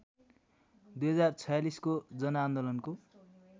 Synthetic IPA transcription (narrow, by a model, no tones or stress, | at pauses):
d̪ujɦʌd͡zart͡sʰʌjaliskod͡zʌnʌaːnd̪olʌnko